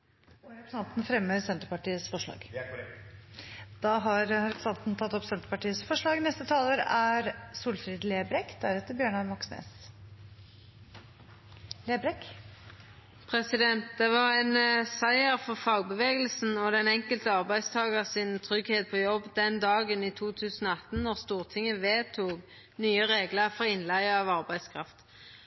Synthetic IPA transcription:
ɔɾɛpɾsɑnt̪n̩fɾɛmːəsɛnt̪əɾpɑʈiːəsfɔʂɭɑ̰ːɡ | d̪̥ɑɦɑɾɑɾɛpsɑnt̪nt̪ʰɑt̪ːɔpsɛnt̪əɾpɑʈiːəsfɔʂɭɑːɡnɛst̪ət̪ʰɑːləɾæɾsuːlfɾiːd̪leːbɾɛkd̪æɾɛt̪ːəɾbjøːɳɑɾmɑksnḛːs | leːbɾɛk | pʰʁɛsɪd̪ɛnt̪̚d̪ɛʋɑʁæɪnsæɪəʁfɔʁfɑːɡ̚bəʋeːɡəl̩sn̩ɔd̪ɛnɛŋkəlt̪əɑʁbæɪst̪ʰɑːɡəʁsɪnt̪ʰʁʏɡheːt̪̚pʰɔːjɔbːd̪ɛnd̪ɑːɡəniːt̪ʰuːt̪ʰʉːsn̩oːɑt̪n̩nɔʁst̪uːʁt̪ʰɪŋːəʋeːt̪ʰuːɡ | nyːəʁeːɡləʁfɔʁɪnlæɪəɑʋɑʁbæɪd̪skʰɾɑft̪

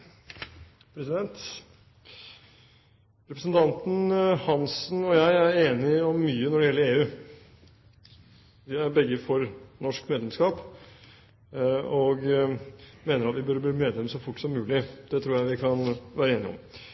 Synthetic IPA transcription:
pʰɾɛsɪd̪ɛnt̪ | ɾɛpɾəsənt̪ʰɑnt̪n̩hɑnsnɔjæɪæɾeːnɪɔmːyːənɔɖɛjɛləeːʉː | ʋɪæɾbɛɡəfɔɾnɔʂkmeːd̪lɛmskɑːp | ɔɡ | meːnəɾɑt̪ʋɪbœɾbiːmeːd̪lɛmsɔfʊʈːsɔmːʉːlɪd̪̥ɛt̪ʰɾuːɾjæɪʋɪkʰɑnʋæːɾəeːnɪ̰ɔ̰m

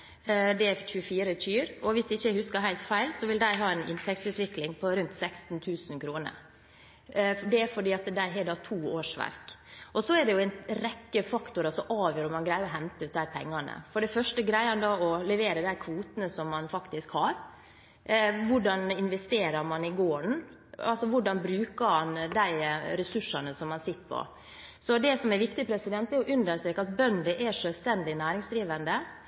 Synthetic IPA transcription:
d̪ɛɛçʉəfiːɾətyːɾɔʋɪsd̪ɛɪçːəæhʉskəɾɦæɪlt̪fæɪlsɔʋɪld̪æɪɦɑːɛɪnɪ̰nt̪ʰɛk̚t̪sʉːt̪ʋɪklɪŋpʰɔɾʉnt̪sɛkst̪nt̪ʰʉːsn̩kʰɾuːnə̰ɾ | ɖɛfɔɖiːɑt̪d̪æɪɦɛd̪ɑːt̪ʰuːoːʂʋæ̰ɾkɔsɔɛɖɛjʊɛɪnɾɛkːəfɑkt̪ʊɾɑsɔmʔɑːʋjøːɾəmɑnɡɾæɪəɔɦɛnt̪əʉːt̪̚d̪æɪpʰɛ̰ŋːɑnə̰fɔɖɛfœʂʈəɡɾæɪɑnd̪ɑɔlɛʋeːɾəd̪æɪkʰʋuːt̪ənəsɔmːɑnfɑkt̪ɪskhɑɾ | ʋʊɖɑnɪnʋɛst̪eːɾɑɾmɑnɪɡoːɳ | ɑ̰lsɔʋʊɖɑnbɾʉːkəɾmɑnd̪æɪɾɛsʉʂːɑnəsɔmːɑnsɪt̪ːpʰɔ̰ | sɔd̪ɛsɔmɛɾʋɪkt̪ɪpʰɾɛsɪd̪ɛnt̪ɛɾjʊʔʉnd̪əʂt̪ɾeːkɑt̪̚bœnd̪əʔɛʂøːlst̪ɛnd̪ɪnæːɾɪŋsd̪ɾiːʋənd̪ə

